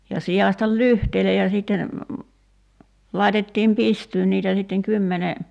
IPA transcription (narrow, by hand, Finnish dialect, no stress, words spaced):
jɑ siɑˑsʲtɑl lyhteile jɑ siˑtːen lɑˑitetːiːm pistyːn niːtæ sitːeŋ kymːene